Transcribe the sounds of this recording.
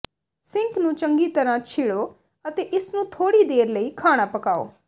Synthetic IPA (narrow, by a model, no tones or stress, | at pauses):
sɪŋknũːt͡ʃəŋɡiːt̪əɾãːt͡ʃʰɪɽoː | ət̪eːʔɪsnũːt̪ʰoːɽiːd̪eːɾləiːkʰaːɽ̃aːpəkaːo̰ː